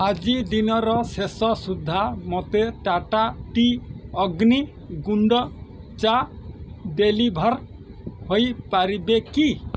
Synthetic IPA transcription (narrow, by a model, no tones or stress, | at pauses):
ad͡ʒid̪inɔɾɔsesɔsud̪ʱːamɔt̪eʈaʈaʈiɔɡni | ɡuɳɖɔ | t͡ʃa | d̪elibʱɔɾ | hojpaɾibeki